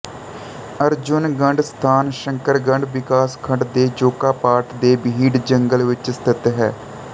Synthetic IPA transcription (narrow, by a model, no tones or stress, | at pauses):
əɾd͡ʒʊnɡəɳɖst̪ʰaːnʃə̃ŋkəɾɡə̃ɳɖʋɪkaːskʰəɳɖd̪eːd͡ʒoːkaːpaːɾʈd̪eːbiːɖd͡ʒəŋɡəlʋɪt͡ʃəst̪ʰɪt̪ɦɛ̰ː